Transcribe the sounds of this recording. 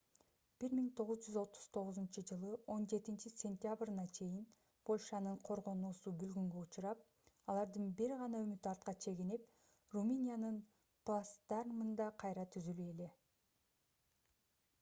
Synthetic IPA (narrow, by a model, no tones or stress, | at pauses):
b̥iɾmiŋt̪ʰo̞ʁuzd͡ʒyzo̞t̪ʰːu̥z̥t̪ʰo̞ʁɯzunt͡ʃɯd͡ʒɯlˠɯʔo̞nd͡ʒe̞t̪int͡ʃisʲe̞nt̪ʲjabrnɑt͡ʃʰe̞jin | pʰo̞lʲʃɑnɯɴqʰo̞ɾʁo̞nuːsubylɡyŋɡøut͡ʃuɾɑp̚ | ɑlˠɑɾd̪ɯnbiɾʁɑnɑømyt̪ɑɾt̪̚qɑt͡ʃʰe̞ɡinep̚ | rumɨnʲijanɯn | plˠasd̪̥ɑrmɯnd̪ɑqʰɑjɾɑt̪ʰyzylye̞le̞